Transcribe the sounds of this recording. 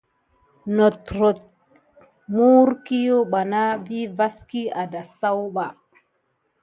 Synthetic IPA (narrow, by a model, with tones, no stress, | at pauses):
no˨t̪ɾo˨t̪̚ | mu˦ɾki˦jo˦ɓa˨na˦vi˦va˦ski˦a˨da˨sa˦wɓa˨